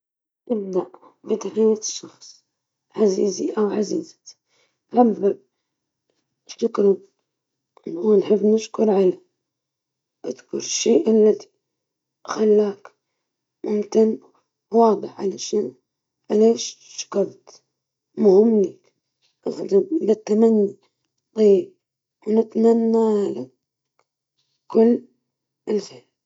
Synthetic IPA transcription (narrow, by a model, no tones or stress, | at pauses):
ʔɪb̚d̪aʔ | bɪd̪ħijatʃːɑxsˤ | ʕaziːziʔawʕaziːz̥ | ʕabːɪb | ʃʊkɾʊ | ʔɪnuːnħɪbːnɪʃkʊɾʕala | ʔɪd̪kʊ̰ɾɪʃːeːʔalːad̪i̥ | xalːaːk | mʊmkɪn | wɑːd̪ˤɨħʕalaʃan | ʕaleːʃʃḁkɑɾˤt̪ | mʊhɪmːlak | ʔaxd̪abɪlat̪ːamanːi | t̪ˤɑjːib̚ | wnɪt̪manːalak | kːʊlː | ɪlfeːl